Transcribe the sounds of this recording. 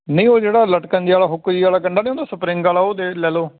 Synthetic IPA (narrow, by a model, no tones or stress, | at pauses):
nəĩːoːd͡ʒeːɽaːləʈkənd͡ʒiaːlaːɦʊkːd͡ʒiːaːlaːkəɳɖaːnĩːõːndaːsʊpɾĩːŋɡaːlaːoːd̪eːlɛːloː